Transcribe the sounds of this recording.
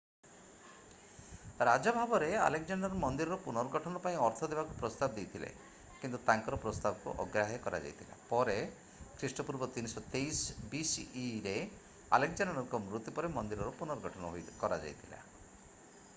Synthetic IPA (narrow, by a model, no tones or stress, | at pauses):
ɾad͡ʒɔbʱabɔɾea̰lek̚d͡ʒaɳɖɔɾɔmɔnd̪iɾɔɾɔpunɔɾɔɡɔʈʰɔnɔpaĩɔɾt̪ʰɔd̪ebakupɾɔst̪abɔd̪ejt̪ʰilḛ | kint̪ut̪aŋkɔɾɔpɾɔst̪abɔkṵʔɔ̰ɡɾaɦɛkɔɾa̰d͡ʒa̰jt̪ʰila̰pɔɾe | kʰɾisʈɔpuɾbɔt̪inisɔt̪ejsbisiːɾe | a̰lek̚d͡ʒanɖɔɾɔŋkɔmɾut̪ipɔɾemɔnd̪iɾɔɾɔpunɔɾɔɡʱɔʈʰɔnɔɦojkɔɾad͡ʒa̰jt̪ʰila̰